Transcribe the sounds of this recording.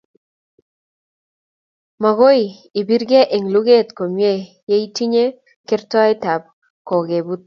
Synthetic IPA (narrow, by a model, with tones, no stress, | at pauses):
ma˨ɡo˦i˨i˨bi˦rɡe˦ʔe˨ŋlu˦ɡe˦˨t̪ko˨mje˦˨ | je˦i˦ti˦ɲe˦ | kɪ˦rtɔ˦ɪ˦ta˨p̚ | kɔ˨ɡe˨bu˦t̪̚